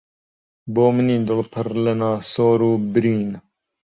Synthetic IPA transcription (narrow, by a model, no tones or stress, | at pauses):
boːməniːd̪əlpʰɐɾlenaːsoːɾuːbɾiːn